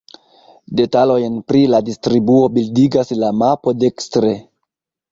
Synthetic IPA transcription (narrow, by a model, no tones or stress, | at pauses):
de̞talo̞jnpɾiladistɾibuo̞bildiɡaslamapo̞de̞kstɾe̞